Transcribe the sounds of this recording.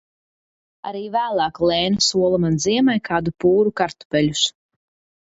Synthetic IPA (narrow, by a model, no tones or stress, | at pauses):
a̰ɾiːvæːlˠaːklˠɛːnusuɔlˠamanziɛmajkʰaːd̪upuːɾukaɾt̪u̥pɛlʲus